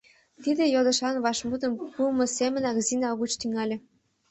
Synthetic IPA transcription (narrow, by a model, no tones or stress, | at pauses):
t̪id̪ĕjod̪ə̆ʃɑnβɑʃmud̪ə̆mpumɤ̆semə̆nɑɣzinɑɣut͡ɕt̪yŋɑlʲĕ